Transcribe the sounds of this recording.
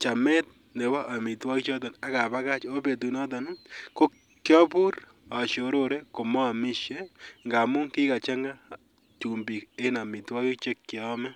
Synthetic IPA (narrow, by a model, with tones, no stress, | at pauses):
t͡ʃa˨me˦t̪̚ | ne˨ba˦ʔa˨mi˨twa˦ki˦t͡ʃɔ˦t̬ɔ˨na˨ka˨ba˦ka˦t͡ʃo˦pe˨tu˨nɔ˦tɔ˨nko˦ | kːjɔ˦pu˦ɾ | a˨ʃo˨ɾo˦ɾe˦ko˨mɔ˦a˨mɪ˦ʃe˦ŋɡa˨mʊ˦ŋki˦ka˨t͡ʃa˦ŋɡa˦ | t͡ʃu˨mbi˨ke˦na˨mi˨twa˦ki˦t͡ʃe˦kːjɔ˦mɛ˦